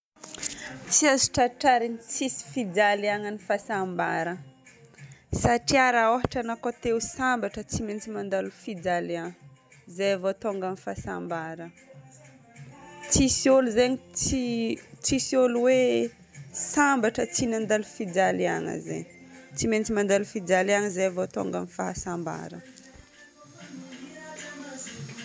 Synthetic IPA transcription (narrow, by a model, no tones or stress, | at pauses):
t͡siazi̥ʈ͡ʂaʈ͡ʂaɾinit͡sisi̥fid͡zaliaŋənifasambaɾə | saʈ͡ʂiaɾaoɦaʈ͡ʂanakot̪ewsambaʈ͡ʂət͡siment͡simand̪alufid͡zalaŋə | zejavot̪oŋɡanifasa̰mbaɾə | t͡sisioluzeɲit͡sit͡sisioluwe | sambaʈ͡ʂət͡sinand̪alufid͡zalaŋə̰zḛɲt͡siment͡simand̪alufid͡zalaŋəzajavot̪o̰ŋɡəmifaɦasamba̰ɾə̰